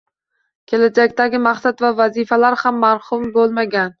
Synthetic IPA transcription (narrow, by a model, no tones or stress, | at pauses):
kʲʰe̞lad͡ʒakʲt̪aɡʲɪmaχsat̪vavazifalaɾhamːaɾhʊmbolˠmaɡʲan